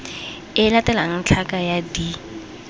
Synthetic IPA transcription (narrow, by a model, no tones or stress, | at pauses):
ɪlatɛlaŋ̩t͡ɬʰakajadi